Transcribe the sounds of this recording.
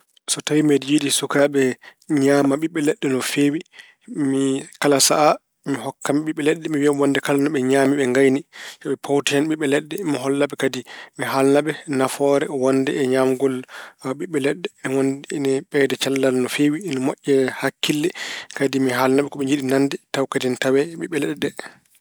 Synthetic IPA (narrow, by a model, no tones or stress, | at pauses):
sɔtawmɛdjiɗisukaɓɛɲamaɓiɓːɛlɛɗːɛnɔfewi | mikalasa̰ʔa | miɦɔkːamiɓiɓːɛlɛɗːɛmiwiamwɔndɛkalanɔɓɛɲaːmiɓɛŋɡajnit͡ʃɔɓɛpʰawtihanɓiɓɛlɛɗːɛmiɦɔlːaɓɛkadimiɦalnaɓɛnafɔɾɛwɔndɛ̰ːɲamɡɔlɓiɓːɛlɛɗːɛmiwɔndnɛɓɛdɛt͡ʃalːalnɔfeːwinɔmɔʔʲːɛhakːilːɛkadimiɦalnaɓɛkɔɓɛɲd͡ʒiɗinandɛtawkadintawɛɓiɓːɛlɛɗːɛ